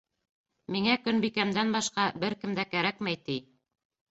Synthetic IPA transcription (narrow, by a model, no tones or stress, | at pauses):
miŋækɵnbikæmd̪ænbɑʃqɑbɘɾkɘ̆md̪ækæɾækmæjt̪i